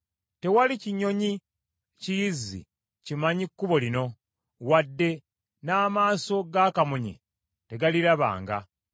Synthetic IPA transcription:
te̞waliciɲo̞ɲi | cijizḭ | cimaɲikːuβo̞lino̞ | wadːe̞ | naːmaːso̞ɡakamuɲḛ | te̞ɡaliɾaβa̰ːŋɡa̰

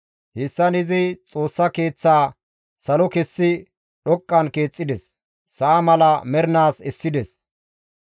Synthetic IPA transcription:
hɪsːɐnɪzɪt͡sʼo̞ːsːɐke̞ːt͡sːaː | sɐlɔkɛsːɪ | ɗɔkʼːɐnke̞ːt͡sʼːɪd̪ɛsː | ɐːmɐlɐmɛɾnaːsɛsːɪd̪ɛs

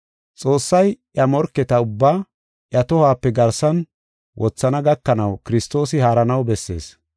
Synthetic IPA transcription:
t͡sʼo̞ːsːɐjʔjɐmɔɾkːɛt̪ɐʊbːaː | ʔjɐt̪ɔhaːpːɛɡɐɾsɐn | wʔɔt͡sːɐnɐɡɐkːɐnɐwkɪɾɪst̪o̞ːsɪhaːɾɐnɐwbɛsːe̞̰ːs

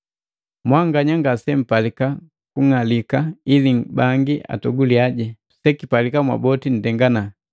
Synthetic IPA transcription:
mwaŋɡaɲaŋɡasɛm̩palika | kuŋalikailibaŋɡiʔa̰tɔɡuliaɟɛ | sɛkipalikamwa̰bɔtin̩dɛŋɡana

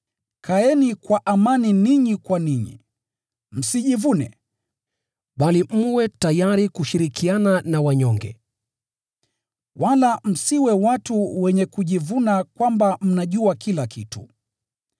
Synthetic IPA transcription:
kʰaɛnikwaʔamaniniɲikwaniɲḭ | m̩siʄivunɛ̰ | ɓalim̩wɛtajaɾikuʃiɾikiananawaɲɔŋɡɛ̰ | wʔalam̩siwɛwatuwɛɲɛkuʄivunakwambam̩naʄuakilakʰḭtṵ

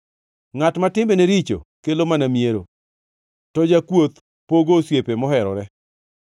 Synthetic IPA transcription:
ŋatmatɪmbeneɾit͡ʃo̰kelomanamjeɾo | tɔd͡ʒakwot̪ | poɡosjepemɔɦɛɾɔ̰ɾɛ

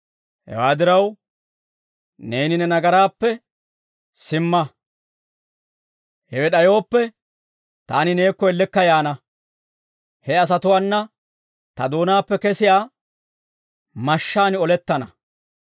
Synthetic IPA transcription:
hɛ̰waːd̪ɪɾɐw | ne̞ːnɪnɛnɐɡɐɾaːpːɛ | sɪmːɐ | hɛwɛɗɐjo̞ːpːɛ | t̪aːnɪneːkːɔɛlːɛkːɐjaːnɐ | hɛɐs̬ɐt̪ʊwaːnːɐ | t̪ɐd̪o̞ːnaːpːɛkɛsɪjaː | mɐʃːaːnɪɔlɛt̪ːɐnɐ

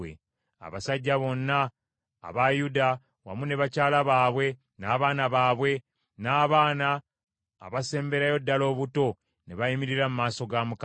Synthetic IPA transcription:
ḛ | a̰βasaɟːaβo̞nːa̰ː | βajuda | wa̰mune̞βacaːlaβaːβwe̞ | naːβaːnaβaːβwe̞ | naːβaːna̰ː | βase̞ːmbe̞ɾajo̞dːalo̞ːβuto̞ | neβajimiɾiɾamumaːso̞ɡamuk

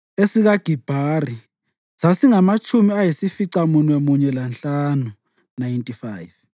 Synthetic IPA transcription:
esiɣaɡ̥ʱib̥ʱari | sasiŋamat͡ʃʰʼumiajisifiǀamunɛmuɲɛlanɬanu | najntʼifaːjv

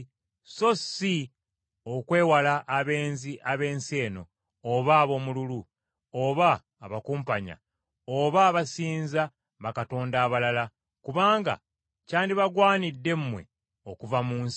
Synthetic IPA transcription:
so̞si | o̞kwe̞ːwalaʔːβe̞ːnziʔaβe̞ːnse̞ːno̞̰ː | βaːβo̞ːmululu | oβaː | βakuːmpaɲa̰ | oβaːβasiːnza | βakato̞ːndaːβalala | kuβaːŋɡa̰ | caːndiβaɡwaːnidːe̞mmːwe̞̰ | okuvamuːns

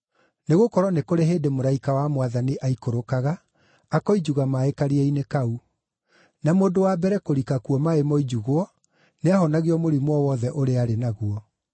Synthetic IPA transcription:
neɣokɔɾɔnekoɾeɦeːdemoɾaikawamwaðaniʔaikoɾokaɣaː | kɔid͡ʑuɣamaekaɾiɛinekau | namoːndowabɛɾɛkoɾikakuɔmaemɔid͡ʒuɣoɔ | neaɦɔnaɣiɔmoɾimwɔwɔðɛʔoɾeaɾenaɣuɔ

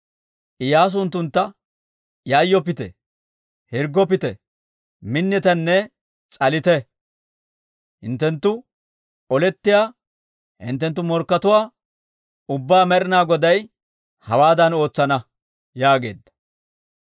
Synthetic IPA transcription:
ʔɪjaːs̬ʊnt̪ːʊnt̪ːɐ | jaːjːɔpɪt̪ɛ̰ | hɪɾɡɔpɪt̪ɛ | mɪnːɛt̪ɐnːɛ | t͡sʼɐlɪt̪ɛ | hɪnt̪ːɛnt̪ːʊ | ʔɔlɛt̪ːɪjaː | hɪ̰nt̪ːɛnt̪ːʊmɔɾkːɐt̪ʊwaː | ʊbːaːmɛɾɪnaːɡɔd̪ɐj | hɐwaːd̪ɐno̞ːt͡sːɐnɐ | jaːɡe̞̰ːd̪ːɐ̥

